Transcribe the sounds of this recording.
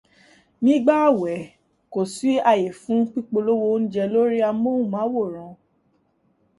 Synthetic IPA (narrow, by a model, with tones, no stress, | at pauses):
nĩ˦ɡ͡ba˦a˦˨wɛ˨˦ | ko˨si˨˦a˧je˨fũ˨˦k͡pi˦k͡po˧lo˦wo˧˦n̩˦d͡ʒɛ˧lo˦ɾi˦a˧˦mo˦ũ˦˨mã˨˦wo˦˨ɾ̃ã˨˧